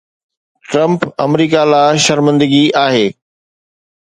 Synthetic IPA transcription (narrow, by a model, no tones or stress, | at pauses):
ʈɾɐ̃mpɐmɾiːkalaːʃɐɾmə̃nd̪əɡiaːɦeː